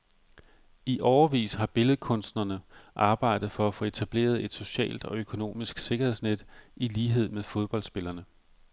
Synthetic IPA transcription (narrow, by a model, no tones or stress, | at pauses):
iʔɒʊɐʋḭːshɑ̈b̥e̝ləð̩ˠkʰɔ̽nsd̥nɐnəʔɑ̈ːb̥ɑ̈ɪ̰d̥ð̞̩ˠfɒ̽æfo̽ːe̝t͡sʰæb̥le̝̰ːɐð̞̩ˠe̝d̥so̝ɕɛ̰ːld̥ɒ̽økʰo̝no̝̰ːmisɡ̥se̝ɡ̥ɐhe̝̞̰sned̥iliːɦe̝ð̞̰ˠmeðˠfo̝ð̞ˠb̥ɒ̽l̰d̥sb̥e̝lɐnə